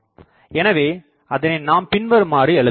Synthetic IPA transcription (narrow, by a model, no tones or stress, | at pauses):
ɛnɐʋeː | ɐðɐnenaːmpɪnʋɐɾɯmaːriɛɭɯ